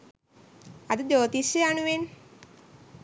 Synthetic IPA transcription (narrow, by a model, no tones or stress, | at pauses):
ad̪ud͡ʒoːt̪isjeanuʋen